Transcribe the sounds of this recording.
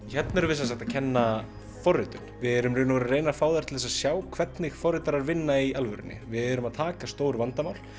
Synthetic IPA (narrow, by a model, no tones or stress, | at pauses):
çɛt̪nɛɾvɪsas̬axt̪acʰɛnːa | fɔrːɪt̪ʏnvɪðɛɾʏmrɪːnaɾreːjnafaːwðaɾ̥t̪ʰɪlθɛsasjaːwkʰvɛt̪nɪxfɔrɪt̪aɾaɾvɪnːaialvʏɾɪ̰nːɪ̰vɪðɛɾʏmaðt̪ʰaːkast̪oːwɾvant̪amaːwl